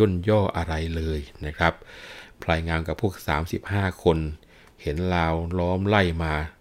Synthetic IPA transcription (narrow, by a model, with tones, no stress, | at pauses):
o˥˩njɔː˥˩ʔa˧ɾa˧jlɤː˧jna˦˥˩kʰɾa˦˥p̚ʰlaː˧jŋaː˧mka˨˩pʰuː˥˩ək̚sa̰ː˩˦msi˨˩p̚haː˥˩kʰo˧n | he˩˦nlaː˧wlɔː˦˥mla˥˩jmaː˧